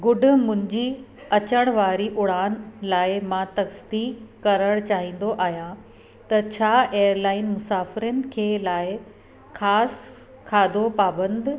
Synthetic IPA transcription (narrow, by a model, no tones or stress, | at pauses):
ɡʊɖʱʊ̆mʊ̃ɦɪ̃ɲd͡ʑi | ɐt͡ɕəɽ̃ʋaːɾiʔʊɽaːnlaːɪmãt̪ɐksd̪iːkkːɐɾəɽt͡ɕaːɦĩːn̆d̪oʔaːɦijã | t̪ɐt͡ɕʰaːeːəɾlaːɪnmʊsaːfɪɾənɪ̆kʰeːlaːɪ | xaːs | kʰaːd̪opaːbə̃nd̪